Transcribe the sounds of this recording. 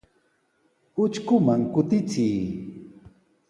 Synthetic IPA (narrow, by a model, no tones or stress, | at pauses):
ʊt͡ʃkʊmaŋkʊt̪ɪt͡sɪjː